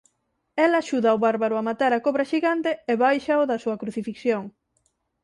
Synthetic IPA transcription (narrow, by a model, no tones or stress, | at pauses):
elaʃuðaʊβaɾβaɾʊamat̪aɾakoβɾɐʃiɣant̪eeβajʃaoðɐsuɐkɾuθifikθjoŋ